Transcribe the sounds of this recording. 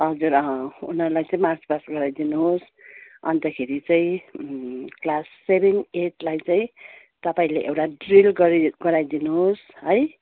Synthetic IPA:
ɦʌd͡zuɾʌɦʌ̃unʌɾulajt͡saĩmart͡spasɡʌɾajd̪inuɦos | ʌ̰nt̪ʌkʰeɾit͡saĩ | klasːebʱeneʈlajt͡saĩ | t̪ʌpaĩleʔewʈaɖrilɡʌɾiɡʌɾajd̪inuɦos | ɦʌj

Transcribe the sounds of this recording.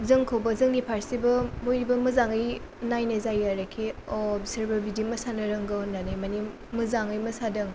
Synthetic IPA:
zɯŋkʰawbɐzɯŋɡipʰaɾsibɐmojɾibɐmɯzaŋɯj | najnɐzajaɾakʰiɔbseɾbɐbidimɐsanɐɾɯŋɡɯnːanɯjmani | mɯzaŋɯjmɐsadɯŋ

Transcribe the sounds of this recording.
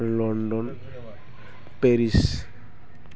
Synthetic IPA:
lɔndɔn | peɾis

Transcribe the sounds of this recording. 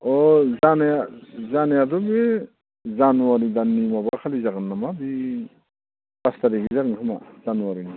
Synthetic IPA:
ɔzanjazanajadɔbi | zanuwaɾid̪anːimabakʰalizaɡɯnːamabi | astaɾiɡizaɡɯnkʰɯma̰zanuwaɾini

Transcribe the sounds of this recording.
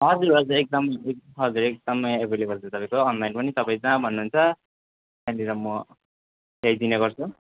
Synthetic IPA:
ɦʌd͡zuɾɦʌd͡zuɾek̚d̪ʌmʌeɦʌd͡zuɾek̚d̪ʌmʌjebʱelebʱʌlt͡sʰut̪ʌpaj̃koːnlajnpʌnit̪ʌpaĩd͡zãbʱʌnːuɦunt͡sʰʌ | kandiɾʌmʌ | t̪ejd̪ineɡʌrt͡sʰu

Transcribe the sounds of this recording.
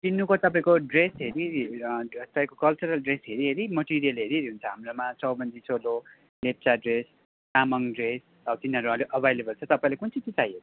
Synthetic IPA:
t̪inːukot̪ʌpãĩkoɖresɦeɾi | t̪ʌpaĩkokʌlt͡suɾʌlɖresɦeɾiɦeɾimʌʈiɾijʌleɾieɾiɦunt͡sʰʌɦamromat͡sʌwbʌnd̪isolo | lep̚t͡saɖres | tamʌŋɖres | ʌt̪inʌɾuãleʔʌbʱajlebʌlt͡sʰʌt̪ʌpãĩlekunt͡sit͡sit͡sajɦeɾi

